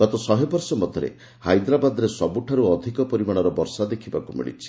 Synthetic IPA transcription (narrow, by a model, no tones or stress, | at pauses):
ɡ̥ɔt̪ɔsɔɦebɔɾsɔmɔd̪ʱɔɾḛ | hajd̪ɾabad̪ɔɾesɔbuʈʰaɾuɔd̪ʱikɔpɔɾimaɽ̃ɔɾɔbɔɾsad̪ekʰibakumḭɭḭt͡ʃʰi̥